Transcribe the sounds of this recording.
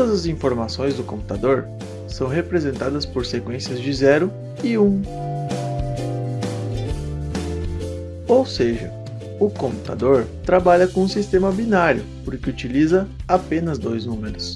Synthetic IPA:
d̪ɐzɐzĩfoɾmasõj̃zd̪ʊkõpu̥t̪ad̪oɾ | sɐ̃w̃ɦepɾezẽnt̪ad̪ɐspoɾsekwẽsiɐzd͡ʒɪzɛɾʊ | ɪũ | owseʒɐ | ʊkõmput̪a̰d̪oɾt̪ɾabaʎɐkõũsist̪ẽmɐbinaɾjʊpoɾkɪut͡ʃilizɐapẽnɐzd̪ojznũmeɾʊs

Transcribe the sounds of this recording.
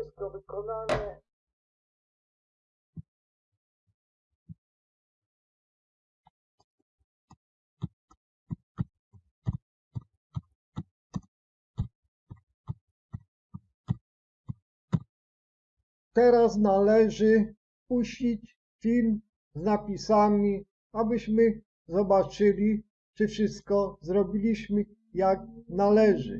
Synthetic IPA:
st̪ɔvɘkɔnaɲɛ | t̪ɛɾasnalɛʐɘ | puɕt͡ɕit͡ɕ | fʲilm | znapʲisamʲi | abɘɕmɘ | zɔbat͡ʂɘlʲi | t͡ʂɘfʂɘst̪̚kɔzɾɔbʲilʲiɕmɘ | jak̚nalɛʐɘ̰

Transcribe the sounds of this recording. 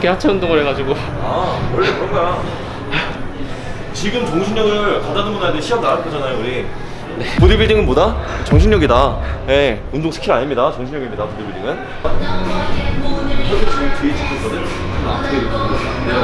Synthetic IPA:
k͈ehat͡ɕʰaundoŋɯɾɦeɡad͡ʑiɡo | awʌɭːekɯɾʌŋɡaja | t͡ɕiɡɯmt͡ɕoŋɕʰinɲʌɡɯɭkadadɯmunadeɕʰiʌmnaɾak͈ʰod͡ʑanajouɾi | nepodibiɭdiŋɯnbodat͡ɕʌŋɕʰiɲɲʌɡidaje̞ | undoŋsʰɯ̥kʰiɾaɲimɲidat͡ɕʌŋɕʰnɲjʌɡimɲidapodibiɭdiŋɯn | kʰʌket͡ɕit͡ɕiit͡ɕik͈ʰek͈ʰʌdɯna̰tʰɯɡeikʰo

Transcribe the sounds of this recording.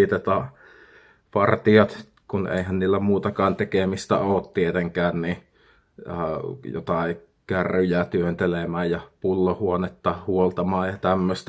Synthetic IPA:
it̪et̪ɑ | pɑrt̪iɑt̪ | kunḛˑihænniːlːæmuːt̪ɑkɑːnt̪ekemist̪æ̰oːt̪t̪iet̪eŋkæːnni | jo̰t̪ɑˑi | kæryjæt̪yønt̪elemæːjjɑpulːohuonet̪ːɑhuolt̪ɑmɑːjjɑt̪æmːøst̪æ

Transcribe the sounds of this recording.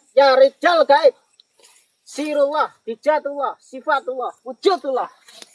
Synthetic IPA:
jaɾid͡ʒ̥alkaɪt̪̚ | siɾulahd̪̥i̤̥d͡ʒ̥at̪ulahsifat̪ulahwu̥ʒ̥ot̪ulah

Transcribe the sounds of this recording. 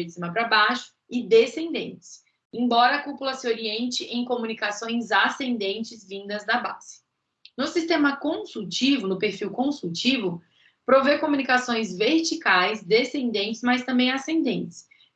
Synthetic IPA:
ɪd͡ʒɪsĩmɐpɾɐbaʃʊ̥ | ɪd̪esẽnd̪ḛ̃nt͡ʃɪ̥s | ẽbɔɾɐːkupulɐsɪoɾiẽnt͡ʃɪʔẽj̃komũnikasõj̃zasẽnd̪ẽnt͡ʃɪzvĩnd̪ɐzd̪ɐba̰z̥ɪ̥ | nʊsist̪ẽmɐkõsuwt͡ʃivʊnʊpeɾfiwkõsuwt͡ʃivʊ | pɾovekomũnikasõj̃zveɾt͡ʃikajzd̪esẽnd̪ẽnt͡ʃɪzmajst̪ɐ̃mbẽj̃asẽnd̪ẽnt͡ʃɪ̥s

